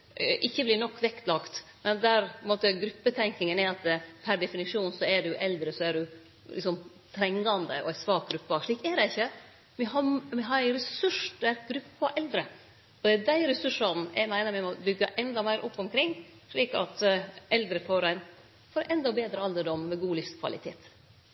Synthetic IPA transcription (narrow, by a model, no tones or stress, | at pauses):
ʔɪçːəblɪnɔkːʋɛkt̪lɑkt̪ | mɛnd̪æɾpmoːt̪əɡɾʉpːət̪ʰɛŋknɪŋənæɾɑt̪̚d̪ɛpʰæɾɖ̪ɛfɪnɪʂuːnsɔæɖʉʔɛld̪ɾəsɔæɖʉ | lɪksɔm | t̪ʰɾɛŋɡɑnd̪əɔ̰æɪsʋɑːk̚ɡɾʉpːɑʂɭiːkæd̪ɛɪçːə | mɛɦɑmɛɦɑɾæɪɾɛsʉʂd̪ɛæɾɡ̥ɾʉpːɑʔɛld̪ɾə | ɔd̪ɛædæɪɾɛsʉʂɑnn̩æ̰ɪmæɪnəɾmɛmɔbʏɡːɑʔɛnd̪ɑmæɪɾʔɔpːɔmkʰɾɪŋː | ʂɭiːkɑ̰t̪ɛld̪ɾəfɔɾæɪn | foːɾʔɛnd̪ɔbeːd̪ɾəɑld̪əɖɔmmɛɡuːlɪfskʰʋɑ̰lɪ̰t̪ʰḛːt̪